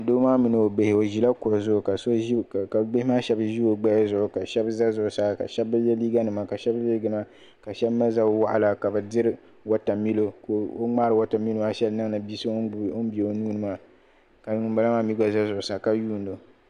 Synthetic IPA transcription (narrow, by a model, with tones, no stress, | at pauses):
doː˦maː˦mɨ˨nɨ˨o˨be˨hɪ˨o˨ʒi˨la˦kʊ˨ʔʊ˨zʊ˦ʔʊ˨ka˨so˦˨ka˨ɡ͡be˦hɪ˦maː˦ʃɛ˦bʒi˦o˨ɡ͡ba˦ja˦zʊ˨ʔʊ˨ka˨ʃɛ˦bza˦zʊ˨ʔʊ˨sa˦ka̰˨ʃɛ˦bɨ˦jɛ˦liː˦ɡa˦nɨ˨ma˨ka˨ʃɛ˦bɡa˨nɨ˨ma˦ | ka˨ʃɛ˦bma˦za˦wa˨ʔa˨la˨ka˨bɨ˨dɪ˦ɾɨ˦ | wa˦ta˨mi˦lo˦ko˨o˦ŋ͡maː˦ɾɨ˨wa˦ta˨mi˦lo˦ma˦ʃɛ˦lnɨ˦ŋnɨ˨bi˦sɨ˦o˦n˦bi˨e˨o˦nuː˦nɨ˦ma˦ | ka˨n˨ŋɨ˨mba˦la˦maː˦mi˦ɡa˨za˦zʊ˨ʔʊ˨sa˨ka˨juː˦n̩˦do˨